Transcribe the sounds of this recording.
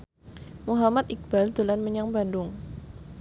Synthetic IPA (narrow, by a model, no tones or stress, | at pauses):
muɦamat̪ʔik̚b̥ald̪̥ulanməɲaŋbandʊŋ